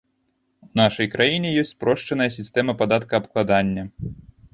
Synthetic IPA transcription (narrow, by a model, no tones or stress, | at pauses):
unaʂɐjkɾajinʲɛjɔsʲt͡sʲpɾɔʂt͡ʂɐnɐjɐsʲist̪ɛmɐpad̪at̪kɐːpklˠad̪anʲːɐ